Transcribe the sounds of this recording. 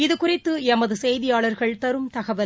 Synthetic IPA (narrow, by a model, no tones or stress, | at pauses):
ɪðɯkʊrɪt̪ːɯɛmɐðɯsɛjðɪjaːɭɐɾɣɐɭt̪ɐɾɯmt̪ɐɣɐʋɐ